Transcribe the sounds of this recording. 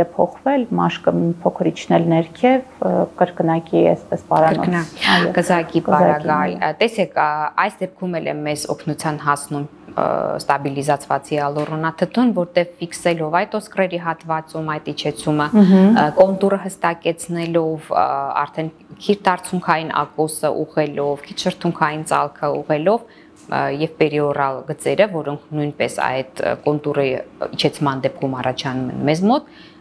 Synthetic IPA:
ɛpʰɔχvɛlmɑʃkəmipʰɔkʰəɾit͡ʃʰnɛlnɛɾkʰɛvkəɾkənɑkiɛ̰spɛspɑɾɑɾɔ̰jɔkəzɑkipɑɾɑɡɑjt̪ɛsɛkʰɑjsd̪ɛp̚kʰumɛlɛ̰mːɛzɔ̰kʰnut͡sʰjɑnɦɑsnum̰ | st̪ɑbilizɑt͡sʰvɑ̰t͡siɑlɔrɔnɑt̪ʰət̪ʰunvɔɾt̪ɛvfiksɛlɔvɑjt̪ɔskrɛɾiɦɑt̪vɑt͡sumɑjt̪it͡ʃʰɛt͡sʰuməkɔnt̪urəɦəst̪ɑkɛt͡sʰnɛlɔvɑ̰ɾt̪ʰɛn | kʰiɾt̪ʰɑɾt͡sʰuŋkʰɑjinʔɑ̰kɔsəʔuʁɛlɔvkʰit̪ʰʃəɾt̪ʰuŋkʰɑjint͡sɑlkʰəuʁɛlɔv | jɛvpɛɾiɔrɑlɡət͡sɛɾəvɔɾɔŋkʰnujnpɛsɑ̰jd̪kɔnt̪urəit͡ʃʰɛt͡sʰmɑnd̪ɛp̚kʰumɑrɑt͡ʃʰɑnumɛ̰nmɛzmɔt̪

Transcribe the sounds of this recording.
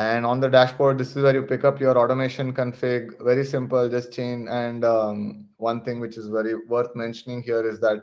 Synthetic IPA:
æ̃ɳɖɔ̃ːnd̪əɖæʃpɔːɾʈ̚d̪ɪsɪzʋɛːɾjuːpɪkʌpjɔːɾɔːʈomeːʃə̃nkə̃nfɪɡʋɛɾisɪ̃mpəld͡ʒʌsʈ̚t͡ʃẽːnɛ̃ɳɖ | ʋʌ̃nt̪ʰɪ̃ŋɡʋɪt͡ʃɪzʋɛɾiʋəɾt̪ʰmɛ̃nʃənɪ̃ŋɦiəɾɪzd̪æʈ̚

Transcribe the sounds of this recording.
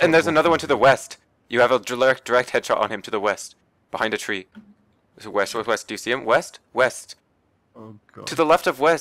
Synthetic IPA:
ɨ̃nðə˞zɨnʌðə˞wʌ̃ntʰɨðəwɛst | jɨːvədəlɛ˞ɨk̚d̥ə˞ɛk̚t̚hɛd̥ʃɑ̰ɾn̩ɨ̃mtʰɨðəwɛst̚ | b̥əhãɪ̃ndɨtʰɹ̥i | wɛsəwɛs̚d̥ɨjɨsiɨ̃mwɛstwɛst | ɨðəlɛftʌvwɛs

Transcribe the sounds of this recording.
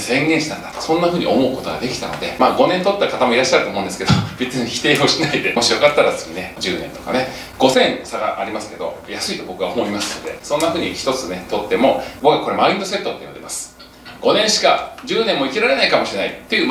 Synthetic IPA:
sẽ̞ŋɡẽɕi̥t̪ãnd̪at̪o̥sõ̞nːaɸɯ̟ːɲ̟ḭʔo̞̰mo̞ɯ̟ko̞t̪o̞ɡa̰d̪e̞kʲi̥t̪ano̞̰d̪e̞maːɡo̞nẽnt̪o̞t̪ːakat̪amo̞iɾaɕiːaɾɯ̟t̪omõːnd̪esɨ̥ke̞d̪obit͡sɨɲʲiçʲi̥t̪e̞ːioɕinaid̪e̞mo̞ɕijo̞kat̪ːaɾasɨ̥ɲʲine̞d͡ʑɨːnẽ̞nt̪o̞kane̞ | ɡ̥o̞sẽ̞nsaɡa̰ʔːɾʲimasɨ̥ke̞d̪o̞̰jasɨit̪o̞bo̞kɯ̟ɡaomo̞imasɨ̥no̞d̪e̞̰sõnːaɸɯ̟ːɲ̟içi̥t̪o̞t͡sɨne̞t̪o̞t̪ːe̞mo̞bo̞kɯ̟ɡakoɾe̞maĩnd̪o̞se̞t̪ːot̪ːeinond̪emasɨ̥ | ɡ̥o̞nẽ̞ɰ̃ɕi̥kad͡ʑɨːnẽmːoikʲiɾaɾe̞naikamo̞ɕiɾe̞nait̪ːeiɯ̟

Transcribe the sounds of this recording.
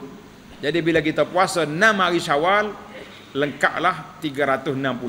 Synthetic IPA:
d͡ʒadibilak̬it̪apuasanamaɣiʃawal | ləŋka̰ʔlaht̪iɡaɾat̪ʊsənãmpul

